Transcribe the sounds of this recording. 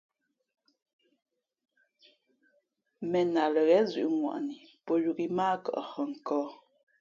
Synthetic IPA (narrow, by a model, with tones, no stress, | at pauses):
mɛ˨na˨lə˨ɣɛ˨˦zʉ̰˨ʔŋwa̰˨ʔni˨pɔ˦ju˨ki˦maː˦kə̰˨ʔhə˨ŋ̩˨kɔː˦